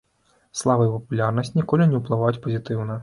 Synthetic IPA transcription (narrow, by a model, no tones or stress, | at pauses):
slˠavɐipɐpulʲarnɐsʲt͡sʲnʲikɔlʲinʲɛwplˠɨvajut͡sʲpɐzʲit̪ɨwnɐ